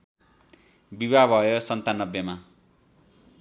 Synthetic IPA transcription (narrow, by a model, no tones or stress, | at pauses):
bibabʱʌjosʌnt̪anʌbjʌma